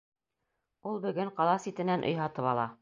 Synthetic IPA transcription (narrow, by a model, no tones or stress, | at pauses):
ulˠbɵ̆ɡɘŋqɑlˠɑsit̪ɘ̆nænʔŏ̰jɦɑt̪ɤpɑlˠɑ